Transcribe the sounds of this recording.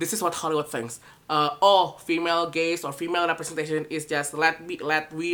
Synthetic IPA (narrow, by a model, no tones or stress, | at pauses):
dɪsɪswɔt̚hɔliwəθɪ̃ŋks | ʌɔlfimelɡesɔfimelɹɛpɹɛsɛ̃nteʃə̃nɪsd͡ʒaslɛt̚wilɛt̚wi